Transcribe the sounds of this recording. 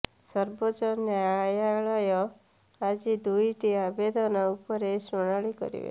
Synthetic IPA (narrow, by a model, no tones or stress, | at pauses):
sɔɾbot͡ʃɔnjajaɭɔjɔ | ad͡ʒid̪ujʈiabed̪ʱɔnɔupɔɾesuɽ̃aɭikɔ̰ɾḭḛ